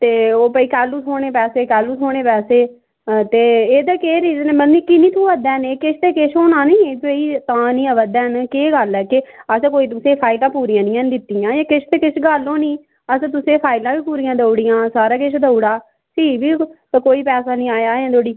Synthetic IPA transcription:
t̪eːoːpəiːkɛːluːt̪ʰoːɽ̃eːpɛːseːkɛːluːsʰoːɽ̃eːpɛːseː | t̪eːeːd̪aːkeːɾiːznẽːmənniːkɪnĩːt̪ʰũːʋəd̪ɛ̃ːneːkɪʃʰt̪eːkɪʃʰɦoːnãːnĩːpəiːt̪ãːnĩːãːʋəd̪ɛ̃ːnkeːɡəlɛːkɪəskoːiːt̪ʊsẽːpʰaːɪlãːpuːɾijãːnĩːãnd̪ɪt̪ːijãːeːkɪʃʰt̪eːkɪʃʰɡaːlːõːnĩː | əst̪ʊsẽːpʰaːɪlãːʋiːpuːɾijãːd̪əɽɪjãːsaːɾaːkɪʃʰd̪əuɽaː | siːʋiː | koːiːpɛːsaːnĩːaːjaːẽːd̪oːɽiː

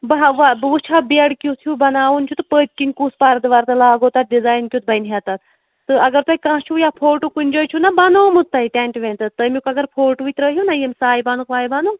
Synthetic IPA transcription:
bɐɦʋabʋut͡ʃʰabeɽkʲjut̪ʰjubɐnaːʋunt͡ʃʰut̪ɨpəːt̪kinʲkuːspaɾd̪ɨʋɐɾt̪ɐlaːɡoːt̪at̪̚ɖizaːjnkʲjut̪̚bɐjnɦat̪ɐt̪ | t̪ɨɐɡɐɾt̪ɐikãːɦt͡ʃʰujapʰoːɾʈukunʲd͡ʒoːjt͡ʃʰunɐbɐnoːmut̪ːɐit̪ɛɳʈʋẽːnʲt̪ɐt̪əmukɐɡɐɾpʰoːɾʈʋit̪ʲɾəɦjunɐjemsaːjibɐnukʋaːjibɐnuː

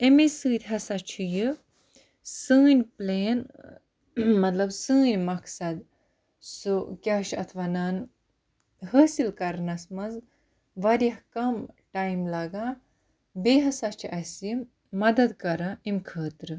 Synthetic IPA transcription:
emisɨːt̪ʲɦɐsat͡ʃʰijɨ | sɨːnʲpleːn | mɐt̪lɐbsɨːnʲmɐkʰsɐd̪ | sukʲaːʃɐ̰t̪ʰʋaːnaːn | ɦəːsilkɐɾnɐsmɐz | ʋɐɾʲjɐɦkɐmʈaːjmlɐɡaː | beːɦɐsɐt͡ʃʰiʔɐsji | mɐd̪ɐd̪kɐɾaemʲkʰəːt̪ɾɨ

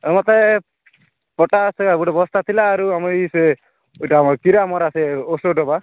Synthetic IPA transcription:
mɔt̪e | pɔʈasabuʈɔbɔst̪ʰat̪ʰilaːɾuamɔise | eʈamɔkiɾamɔɾaseosoɖɔba

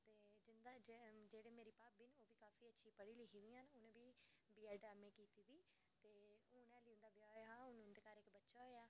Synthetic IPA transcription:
t̪eːd͡ʒɪnd̪aːd͡ʒd͡ʒeːɽeːmeːɾiːpaːpbiːnoːʋiːkaːfiːətːʃʰiːpəɽiːlɪkiːd̪iːãːnʊnẽːbiːbiaːɖaːmẽːkiːt̪iːd̪iː | t̪eːʊːnɛ̃ːliʊ̃nd̪aːbɪjaːɦãːʊnʊnd̪eːkaːɾɪkbətːʃaːɦojaː

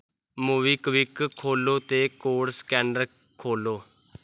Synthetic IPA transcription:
muːʋiːkʋɪkʰːoːloːt̪eːkoːɽskɛːɳɖəɾ | kʰoːloː

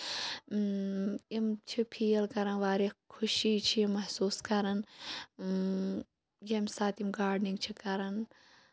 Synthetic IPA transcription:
imt͡ʃʰipʰiːɐlkɐɾɐnʋaːɾikʰuʃiːt͡ʃʰiimɐhsuːskɐɾɐn | jemsaːt̪imɡaːɖniŋɡt͡ʃʰikɐɾɐn

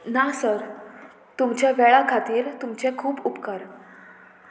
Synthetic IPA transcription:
nasəɾ | t̪umt͡ɕaʋɛɭakʰat̪iːɾt̪umt͡ɕekʰuːpupkəɾ

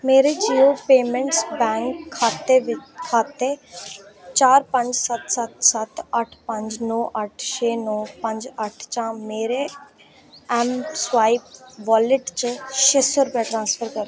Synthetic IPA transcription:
meːɾed͡ʒiːoːpeːmɛ̃ɳʈsbɛ̃ːŋkʰːaːt̪eʋɪkʰːaːt̪e | t͡ʃaːɾpə̃ɲd͡ʒsət̪sət̪sət̪əʈʰpə̃ɲd͡ʒnɔːʔəʈʰʃʰeːnɔːpə̃ɲd͡ʒəʈʰt͡ʃãːmeːɾe | ɛːmsʋaːip̚ʋaːlɪʈt͡ʃʃeːsəɾpɛʈɾãːnspʰəɾkəɾe

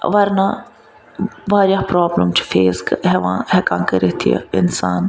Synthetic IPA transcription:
ʋɐɾna | ʋaːɾjaːpɾoːbləmt͡ʃfeːskɦɛʋã̰ːɦɛkãːkəɾet̪ʰijḛɪ̰nsaːn

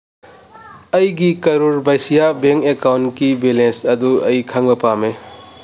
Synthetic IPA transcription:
ɐjɡikɐɾuɾbajsijabeŋkekawnkibelensɐduɐ̰jkʰaŋbɐpame

